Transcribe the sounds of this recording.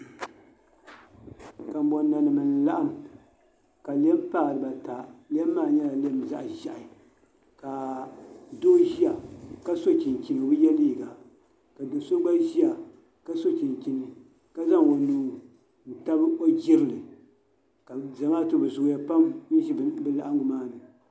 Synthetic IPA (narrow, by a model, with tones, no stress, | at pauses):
ka˨m̩˨˦bɔ˨nː˦a˨nɨ˨mɨ˨n˨la˦ʔa˦m | ka˨lɛ˦m˦pa˦˨ɾɨ˨ba˨ta˨li˦ɛ˦mː˦aː˦˨ɲɛ˦la˨le˦˨m˨za˦ʔʒa˨ʔa˨ | ka˨ | doː˦ʒi˦a˨ka˦so˦t͡ʃi˨nkʲi˨no˨bɨ˦jɛ˦liː˦˨ɡa˨ | ka˨do˨so˦ɡ͡ba˦ʒi˦a˨ | ka˦so˦t͡ʃi˨nki˨nɨ˨ | ka˦za˦ŋo˨nuː˨˦ | n̩˨ta˦bɨ˦o˦d͡ʒi˦ɾɨ˨lɨ˨ | ka˨za˨ŋa˦tɨ˦bɨ˨zʊ˨ɡja˦pa˦mn˦ʒi˦˨bɨ˦la˨ʔa˦ŋɡʊ˨maː˦nɨ˨